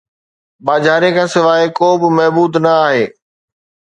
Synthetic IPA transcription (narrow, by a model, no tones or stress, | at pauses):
baːd͡ʑʱaːɾekʰãːsɪʋaːekoːbɪmɐɦbuːd̪nɐaːɦeː